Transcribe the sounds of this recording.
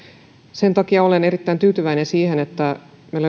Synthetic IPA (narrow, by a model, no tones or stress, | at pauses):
se̞nt̪ɑkiɑolene̞ɾit̪ːæint̪yːt̪yʋæinensiːhe̞net̪ːæ | mel